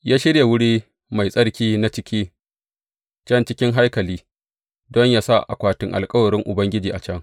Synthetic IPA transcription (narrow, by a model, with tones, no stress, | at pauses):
jaː˦ʃɪ˦ɽja˨wʊ˦ɽiː˦ | ma˨jsʼɐ˦ɽkʲiː˦na˦t͡ʃɪ˦kʲiː˦ | t͡ʃɐ˦nt͡ʃɪ˦kʲɪ˦ŋɦa˦jkɐ˨liː˦ | dɔ˦ɲjaː˦sa˦ʔa̰˨kʷaː˦tɪ˦ŋʔa˨lkʼɐ˦wɐ˨ɽɪ˦ŋʔʊ̰˨bɐ˦ŋɡʲɪ˦d͡ʒiː˨ʔa˨t͡ʃɐ˦ŋ